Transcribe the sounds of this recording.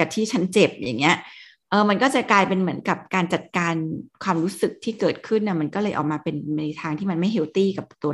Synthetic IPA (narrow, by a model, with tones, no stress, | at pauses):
ka˨˩t̪ʰiː˥˩t͡ɕʰa˦˥nt͡ɕe˨˩p̚ja̰˨˩ŋːi˦˥ɐʔ | ʔɤː˧ma˧nkɔː˥˩t͡ɕa˨˩klaː˧jpe˧nmɯ˩˦ənka˨˩p̚kaː˧nt͡ɕa˨˩t̪̚kaː˧nkʰwaː˧mɾuː˦˥sɯ˨˩k̚t̪ʰiː˥˩kɤː˨˩t̪̚kʰɯ˥˩nːa˧˥˩ma˧nkɔː˥˩lɤː˧jʔːk̚maː˧pe˧nna˧jt̪ʰaː˧ŋt̪ʰiː˥˩ma˧nma˥˩jɦe˧˦˥wt̪iː˥˩ka˨˩p̚t̪u˧ɐ˧